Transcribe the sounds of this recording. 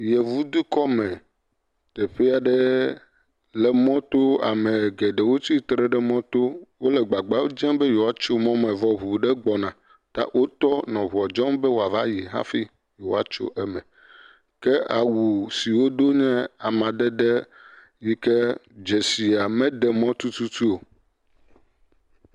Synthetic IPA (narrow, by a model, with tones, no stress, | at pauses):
jɛ˨vu˦d̪u˦kɔ˦mɛ̃˨ | t̪ɛ˨ɸɛ˦a˨ɖɛ˦ | lɛ˨mɔ̃˦t̪o˦a̰˨mẽ˨ɡɛ˨ɖɛ˨wo˦t̪i˦t̪ɾɛ˦ɖɛ˦mɔ̃˦t̪o˦wo˦lɛ˨ɡ͡ba˨ɡ͡ba˦wo˦d͡ʒɛ̃˦mbe˦jo˨a˦t͡ʃo˦mɔ̃˦mɛ̃˨vɔ˦ɦu˨ɖɛ˦ɡ͡bɔ˨nã˨ | t̪a̰˦wʔo˦t̪ɔ˦nɔ̃˨βu˨ɔ˨d͡ʒɔ̃˦mbɛ˦wo˦a˨va˦ji˨ɦã̰˦fi˦ | jo˨a˨t͡ʃo̰˦ʔɛ˦mɛ̃˨ | kɛ˦a˨wu˨si˨wo˦d̪o˦ɲɛ̃˦a˨mã˨ɖɛ˦ɖɛ˦ | ji˦kɛ˦d͡ʒɛ˨si˨a˨mɛ̃˦ɖɛ˨mɔ̃˦t̪u˦t̪u˦t̪u˦o˨